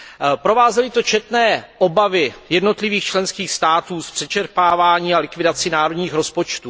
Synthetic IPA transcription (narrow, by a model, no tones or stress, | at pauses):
pɾo̞vaːzɛlɪt̪o̞t͡ʃɛt̪nɛːʔo̞bavɪjɛdno̞t̪lɪviːxt͡ʃlɛnskiːxst̪aːt̪uːspr̝̥ɛt͡ʃɛɾpaːvaːɲiːalɪkvɪdat͡sɪnaːɾo̞d̪ɲiːxɾo̞spo̞t͡ʃt̪uː